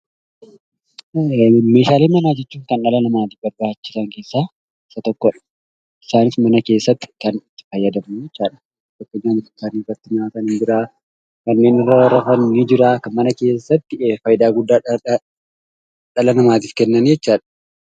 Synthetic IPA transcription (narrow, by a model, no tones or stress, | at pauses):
me̞ːʃaːleːmɐnaːd͡ʒɛt͡ʃːuːŋkɐnᶑɐlɐnɐmaːt̪iːfbɐɾbaːt͡ʃːɪsɐŋke̞ːsːaː | ɪsɐt̪ɔkːɔᶑɐ̥ | ɪsaːnɪsmɐnɐke̞ːsːɐt̪ːɪ̥kɐnɪfɐjːɐd̪ɐmnid͡ʒɛt͡ʃːaːᶑɐ̥ | t̪ɔkːɔɲːaːnɪfɪsaːniːrːɐt̪ːɪnɐatɐnɪd͡ʒɪɾaː | kɐnːe̞ːnɪrːɐwɐɾɐfɐnid͡ʒɪɾaːkɐmmɐnɐke̞ːsːɐt̪ːɪfɐjɪd̪aːɡʊd̪ːaː | ᶑɐlɐnɐmaːt̪iːfkɛnːɐnid͡ʒɛt͡ʃːaːᶑɐ̥